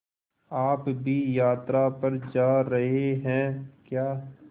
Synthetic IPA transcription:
aːpbʱijaːt̪ɾapɐɾd͡ʒaːɾɐɦeɦɛ̃ːkjaː

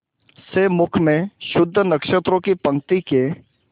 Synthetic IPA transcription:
seːmʊkʰmẽʃʊd̪ʱːənɐkʃət̪ɾõkipɐ̃ŋkt̪ike

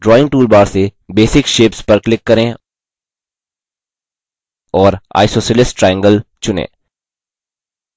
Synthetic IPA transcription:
ɖɾɔːɪ̃ŋɡ̚ʈuːlbaːɾsebeːsɪkʃeːpspɐɾklɪkːɐɾẽ | ɔːɾa̰ːɪsoːsəlɪsʈʈɾɛːɛ̃ŋɡəlt͡ʃʊnḛ̃ː

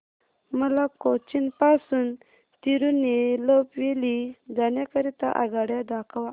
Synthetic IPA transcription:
məlakot͡ɕinpasun | t̪iɾunelopʋelid͡ʒanjakəɾit̪a̰ʔa̰ɡaɽjad̪akʰaʋa

